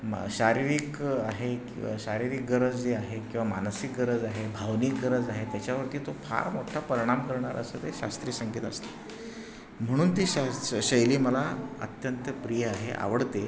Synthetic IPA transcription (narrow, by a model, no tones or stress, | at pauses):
ɕaɾiɾikaɦekiɕaɾiɾik̚ɡəɾəd͡zd͡zeaɦekĩw̃ʋamansik̚ɡəɾəd͡zaɦebʱaʋniːk̚ɡəɾəd͡zaɦet̪jat͡ɕaʋəɾt̪iːt̪opʰa̰ɾmoʈʰapəɾiɽ̃amkəɾɳaɾəsəːt̪eɕa̰st̪ɾiːsəŋɡiːt̪ə̰st̪e̥ | m̤əɽ̃uːnt̪iːɕaɕəjliːməlaə̰t̪jənt̪əpɾijəaɦḛʔa̰ʋəɽt̪e